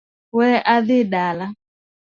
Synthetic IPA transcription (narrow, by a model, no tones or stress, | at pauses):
wɛʔaðɪɗala